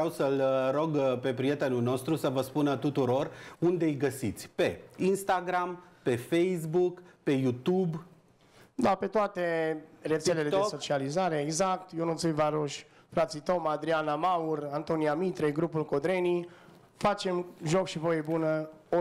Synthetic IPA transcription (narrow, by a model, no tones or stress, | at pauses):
awsəlɾo̞ɡpe̞pɾije̞t̪e̞nulno̞st̪ɾusəvəspunat̪ut̪uɾo̞rund̪e̞jɡəsit̪sʲpe̞inst̪aɡɾampe̞fejsbukpe̞jut̪ub | d̪ape̞t̪oat̪e̞re̞t̪sele̞led̪eso̞t͡ʃializaɾe̞ːɡzak̚t̪jonut̪sujvaɾoʃʲ | fɾat̪sit̪o̞mad̪ɾianamaurant̪o̞nijamit̪ɾeɡɾupulko̞d̪ɾe̞ni | fat͡ʃe̞mʒo̞kʃivo̞je̞bunə | o